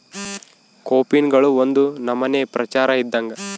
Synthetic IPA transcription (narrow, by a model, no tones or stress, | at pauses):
koːpinɡɐɭuond̪unɐmːɐne̞ːpɾɐt͡ʃaːɾɐid̪ːɐŋɡɐ